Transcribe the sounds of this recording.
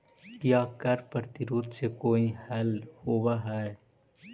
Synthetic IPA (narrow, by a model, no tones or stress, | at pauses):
kjaːkɐɾpəɾt̪ɪɾuːd̪sekoːihɛːlhoːwaɦɛe